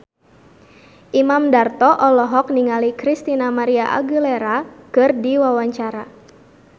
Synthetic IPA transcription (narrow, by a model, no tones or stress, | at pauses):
ʔimamdart̪ɔʔɔlɔɦɔk̚niŋalikɾist̪inamaɾiaʔa̰ɡuleɾakɨrdiwawaɲt͡ʃaɾa